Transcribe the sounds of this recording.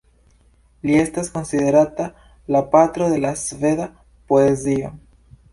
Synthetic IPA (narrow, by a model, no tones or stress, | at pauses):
lie̞stasko̞nsiðe̞ɾat̪a | lapat̪ɾoðe̞lasve̞ða | poezio